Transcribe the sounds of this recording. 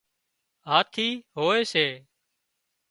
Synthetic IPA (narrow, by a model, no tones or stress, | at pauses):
ɦaːt̪ʰiːɦoːeːseː